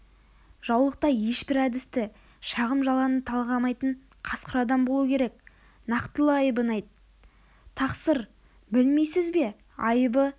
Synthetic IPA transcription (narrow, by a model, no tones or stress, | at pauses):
ʒ̥ɑwlˠəq̚t̪ɑje̞ʃbɪɾæd̪ɪst̪ɪ | ʃɑʁəmʒɑlˠɑnət̪ʰɑlˠʁɑmɑjt̪əɴ | qʰɑsqəɾɑd̪ɑmbo̞lˠuəkʲʰe̞ɾe̞k̚ | nɑqt̪əlˠəɑjbənɑjt̪ | t̪ʰɑqsəɾ | bɪlme̞jsɪzbe̞ | ɑjəbə